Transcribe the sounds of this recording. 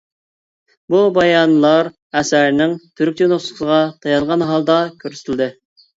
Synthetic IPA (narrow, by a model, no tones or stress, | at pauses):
bubɑjɑnlˠɑɾ | ɛsæɾnɪŋt̪ʰyɾk̚ʲt͡ʃʲnoχssəʁɑt̪ʰɑjɑnˠʁɑnɦɑlˠd̪ɑkʲʰøɾst̪ʰɪlʲd̪ɨ